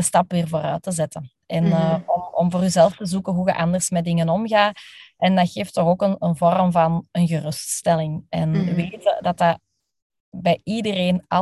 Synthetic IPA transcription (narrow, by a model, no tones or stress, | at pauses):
əstɑpʋɪːrvoːɾœ̰ːtəzɛtən | ɛnːɔmɔ̰mvoːryzɛlˠftəzukəɦuɣə̰ʔɑndərsmɛt̚dɪŋənɔmɣaːɛndɑxeːftɔɣoːkənənvɔrmvɑnənɣərɵststɛlɪŋɛnəʋeːtədɑta | bɛjidəreːnɑ